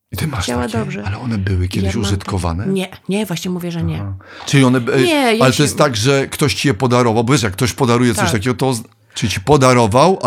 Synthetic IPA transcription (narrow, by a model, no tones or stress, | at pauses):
it̪ɨmaʂtaad̪ʲɔbʐɛalɛɔnɛbɘwɘkʲɛd̪ɪɕuʐɨt̪kɔva̰nɛɲɛɲɛvwaɕɲɛmuvʲjɛʐɛɲɛ | t͡ʂɨlʲiɔnɛɛjalɛt̪ɔjɛst̪ːaɡʐɛkt̪ɔɕt͡ɕijɛpɔd̪aɾɔvawbɔvʲjɛʂ̬jakːt̪ɔɕpɔd̪aɾujɛt̪sɔɕt̪akʲɛɡɔt̪ɔz | t͡ʂɘlʲit͡ɕipɔd̪aɾɔvaw